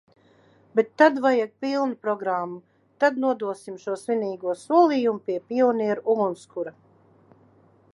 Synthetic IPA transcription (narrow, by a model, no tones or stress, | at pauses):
bet̪ːad̪vajaɡ̚pilˠnupɾɔɡɾamːu | t̪ad̪̚nuɔd̪uɔsimʃuɔsvʲiniːɡuɔsuɔlˠiːjumupʲiɛpʲiɔniɛɾuʔuɡunskuɾa